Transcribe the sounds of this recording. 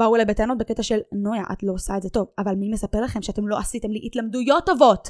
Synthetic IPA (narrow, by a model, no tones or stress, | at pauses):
vauelejbet̪eanot̚beket̪aʃe̞lnojaʔa̰t̪lo̞saedzet̪o̞vavalmimesape̞ʁlaχe̞mʃeatemlo̞ʔasit̪e̞mliʔit̪lamdujo̞tːovot